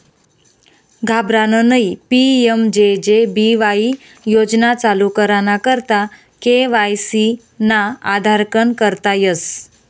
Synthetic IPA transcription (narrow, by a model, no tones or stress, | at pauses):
ɡʱabɾanənəipiemd͡ʑed͡ʑebiʋai | jod͡znat͡salukəɾanakəɾt̪a | keʋajsi | naad̪ʱaɾkənkəɾt̪ajəs